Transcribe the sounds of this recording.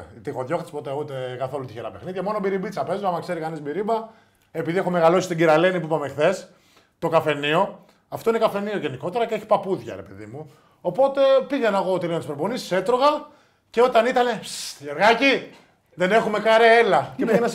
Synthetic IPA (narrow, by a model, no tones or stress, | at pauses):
t̪ixo̞ðʝo̞xt̪ispo̞t̪e̞ut̪e̞kɐθo̞lut̪içeɾɐ̰pe̞xniðʝɐmo̞nobiɾibit͡sɐpe̞zoamɐkse̞ɾikɐnizbiɾibɐ | e̞piðiexo̞me̞ɣalo̞si̥st̪iɟiɾɐlenipuipamexθe̞s | t̪o̞kɐfe̞nio̞ | ɐft̪o̞inekɐfe̞nioʝeniko̞t̪e̞ɾɐceeçi̥pɐpuðʝɐ̰ɾepeðḭmu | o̞po̞t̪e̞piʝenɐeɣo̞t̪elint̪spɾoponisi̥se̞t̪ɾo̞ɣɐ | ce̞o̞t̪ɐnit̪ɐne̞ʝeɾɣɐci | ðe̞ne̞xume̞kɐɾeelɐcepiʝenɐs